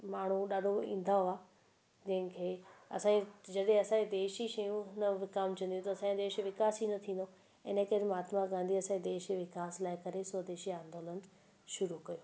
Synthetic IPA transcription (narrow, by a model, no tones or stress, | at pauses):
maːɳ̤uɗaːɗʱoḭ̃ːn̆d̪aɦoaː | d͡ʑɐ̃ɦɪ̃kʰeːɐsãːed͡ʑɐɗẽɐsãːed̪eːʃiʃɐjũnɐʋɪkaːmt͡ɕɐ̃nd̪jũt̪ɐɐsãːed̪eːʃʋɪkaːsinɐt̪ʰĩːnd̪o | ɪnəkɐɾmaːt̪mãɡãːnd̪iɐsãed̪eːʃʋɪkaːslaːɪkɐɾesod̪eːʃiãːnd̪oːlən | ʃʊɾukɐjoː